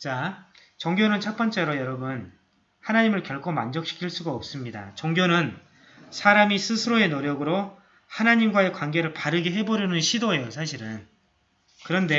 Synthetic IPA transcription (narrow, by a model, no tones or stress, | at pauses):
t͡ɕa | t͡ɕʌŋɡjonɯnt͡ɕʰʌp͈ʌnt͡ɕ͈e̞ɾojʌɾʌbɯn | hanaɲimɯɭkjʌɭkʰomand͡ʑʌk̚ɕʰi̥kʰiɭs͈uɡaʌp̚s͈ɯmɲida̰t͡ɕʌŋɡjonɯn | sʰaɾamisʰɯsʰɯɾoe̞noɾjʌɡɯɾo | hanaɲimɡwae̞kwanɡe̞ɾɯɭpaɾɯɡeɦe̞bʌɾjʌnɯnɕʰidoe̞josʰaɕ̬ʰiɾɯn | kɯɾʌnde̞